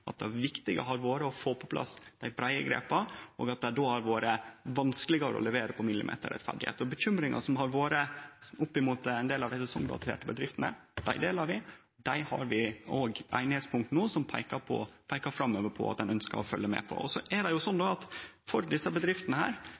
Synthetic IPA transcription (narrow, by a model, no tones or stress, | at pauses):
ʔɑt̪̚d̪ɛæɾʋɪkt̪ɪɡə̰ɦɑɾʋoːɾəɔfoːpʰɔpʰlʔɑ̰sd̪̥æɪbɾæɪəɡɾḛːpɑʔɔ̰ːɡɑt̪̚d̪ɛæɖoːæɾʋoːɾəʋɑnsklɪɡəɾə̰ɔ̰lɛʋeːɾəpʰɔmɪlːɪ̰mʔḛːt̪əɾɛ̰t̪fæ̰ɖɪhḛːt̪ɔbəçʏmɾɪŋʔɑ̰ʂɔmɦɑɾʋoːɾəʊpːɪmuːt̪ɛɪnd̪eːlɑʋd̪æɪsəsɔŋd̪ɑ̰t̪ʰḛːʈəbəd̪ɾɪft̪ənə̰ | d̪̥æɪd̪eːlɑɾʋɪ | d̪æɪhɑ̰ɾʋɪoːɡæ̰ɪnɪhɛːt̪spʰʊŋkt̪ənuːsɔmpʰæɪkɑɾpʰɔ̰pʰæɪkɑɾfɾɑmːøːʋəɾpʰɔ̰ɑt̪d̪ɛnœnskə̰ɾɔfœlːəmḛːpʰɔ̰ɔsɔʔæɖɛjʊsɔnd̪oɑt̪fɔɾd̪ɪsːəbəd̪ɾɪft̪ənəhæ̰ːɾ